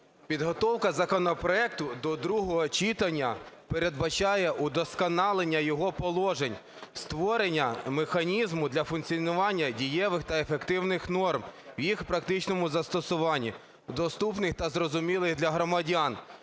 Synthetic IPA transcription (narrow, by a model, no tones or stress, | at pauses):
pʲid̪ɦɔt̪ɔwkɐzɐkɔnɔpɾɔɛk̚t̪ʊd̪ɔd̪ɾuɦɔɦɔt͡ʃit̪ɐnʲːɐpeɾe̞d̪bɐt͡ʃɑjɛʔud̪ɔskɔnɑlˠenʲːɐjɔɦɔpɔlˠɔʒenʲ | st̪ʋɔɾenʲːɐmexɐnʲizmʊd̪lʲɐfʊnkt͡sʲiɔnʊʋɑnʲːɐdʲijɛʋɪxt̪ɐefekt̪ɪwnɪxnɔrmwjixpɾɐkt̪ɪt͡ʃnɔmʊzɐst̪ɔsʊʋɑnʲːi | d̪ɔst̪upnɪxt̪ɐzɾɔzʊmʲilˠɪxd̪lʲɐɦɾɔmɐdʲɑn